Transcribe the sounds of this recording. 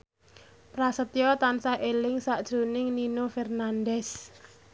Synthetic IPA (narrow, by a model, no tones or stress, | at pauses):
pɾasət̪jɔt̪ansaʔelɪŋsaʔd̥ʒ̥ɾo̤nɪŋninofɛrnandɛs